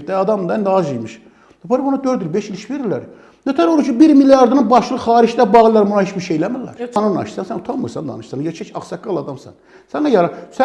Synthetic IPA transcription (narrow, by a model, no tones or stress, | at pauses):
t̪æɑd̪ɑmd̪ɑnd̪ɑʒijmɯʃ | d̪opʰɑɾibunɑd̪øɾd̪ilbeʃiliʃveɾilːæ̰ɾ | næt̪ʰæɾout͡ʃʰibiɾmilijɑɾd̪ɯnɯnbɑʃlˠɯxɑːɾiʃd̪æbɑɣilˠɑɾmunɑhet͡ʃbiɾʃejlæmilːæ̰ɾnɯnɑ̰ʃsænsænut̪ʰɑmɯ̰ɾsɑnd̪ɑ̰nɯʃsɑnjet͡ʃʰæt͡ʃʰɑχsɑkːɑlˠɑd̪ɑmsæ̰n | sænɑjɑɾɑsæ